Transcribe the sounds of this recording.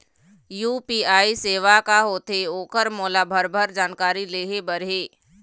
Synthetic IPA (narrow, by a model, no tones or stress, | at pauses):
juːpiːaːiseːʋakaɦoːt̪ʰeoːkəɾmoːlabʱəɾbʱəɾd͡ʒaːnkaːɾileːɦebəɾɦeː